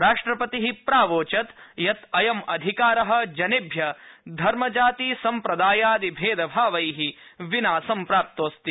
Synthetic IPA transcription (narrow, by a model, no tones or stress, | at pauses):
ɾaːʂʈɾɐpɐt̪iɦipɾaːʋoːt͡ʃɐt̪jɐt̪ɐjɐmɐd̪ʱikaːɾɐɦɐ̆d͡ʒɐnibʱjɐd̪ʱɐɾmɐd͡ʒaːt̪iːsɐmpɾɐd̪aːjaːd̪ibʱeːd̪ɐbʱaːʋɐjɦiʋinaːsɐmpɾaːp̚t̪oːst̪i